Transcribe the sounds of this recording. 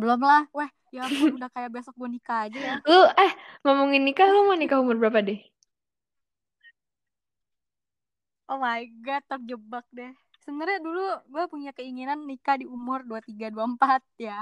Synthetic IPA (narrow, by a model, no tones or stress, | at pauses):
bəlɔmlahwɛh | jaʊudahkajaʔbiasɔk̚ɡɔnikaːd͡ʒajaloɛhŋamuŋɪnːikalomanikaɦumʊrbəɾapadɪh | ʔomajɡat̪ɔk̚d͡ʒəbak̚dɛh | səbənaɾaduluɡuapuɲakəiŋinanːikadiumʊrduat̪iɡaduampat̪̚ja